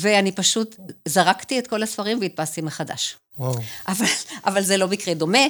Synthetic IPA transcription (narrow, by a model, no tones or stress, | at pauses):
veanipaʃutzaʁaktiet̪ko̞lasfaʁimveit̪̚past̪imeχada̰ʃ | oʔavalʔavalzelobikʁedo̞me